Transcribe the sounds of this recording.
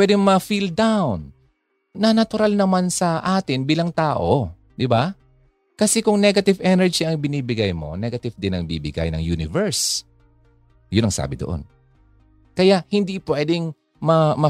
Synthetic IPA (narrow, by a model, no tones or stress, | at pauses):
pwɛd̪ɛŋmɐfild̪awn | nɐnɐt̪ʊɾalnɐmansɐʔaːt̪ɪnbiːlɐŋt̪aːʔo̞ | d̪ɪba | kɐsɛkʊŋnɛɡɐt̪ɪvʔɛnɛɹd͡ʒiɐŋbɪniːbɪɡajmo̞̰nɛɡɐt̪ɪvd̪ɪnɐŋbiːbɪ̰ɡa̰jnɐ̰ŋjunɪvɛɹs | jʊnɐŋsa̰ːbɪd̪oʔo̰n | kɐjaʔhɪnd̪ipwɛːd̪ɪŋ | mɐmɐ